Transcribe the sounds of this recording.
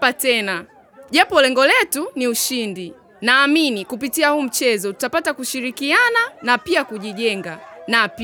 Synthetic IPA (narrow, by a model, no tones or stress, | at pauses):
patɛna | ʄapɔlɛŋɡɔlɛtuniuʃindi | naːminikupitiahuːm̩t͡ʃɛzɔtu̥tapatakuʃiɾikiananapiakuʄiʄɛŋɡanap